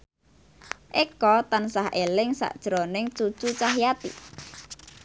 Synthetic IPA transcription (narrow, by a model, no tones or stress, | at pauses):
ʔekɔt̪ansaɦʔelɪŋsa̰ʔd̥ʒ̥ɾonɪŋt͡ʃut͡ʃut͡ʃaɦjat̪ḭ